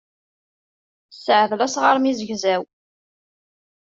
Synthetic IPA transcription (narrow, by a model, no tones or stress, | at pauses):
səʕðlæsʁəɾˤmizəʝzæw